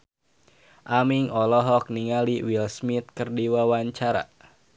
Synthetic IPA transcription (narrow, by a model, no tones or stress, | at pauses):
ʔamiŋɔlɔɦɔk̚niŋaliwilsmit̪̚kərdiwawaɲt͡ʃaɾa̰